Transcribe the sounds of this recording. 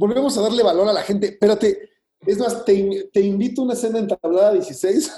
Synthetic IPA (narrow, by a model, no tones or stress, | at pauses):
bo̞lβemo̞s̬aðaɾle̞βalo̞ɾalaxe̞nt̪e̞peɾat̪e̞ | ezmast̪e̞imt̪e̞imbit̪ounaese̞nd̪aent̪aβlaðaðjesisejs